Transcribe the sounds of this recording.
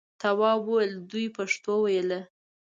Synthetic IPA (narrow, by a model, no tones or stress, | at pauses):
t̪awɑwowəld̪ujpaʂt̪owajələ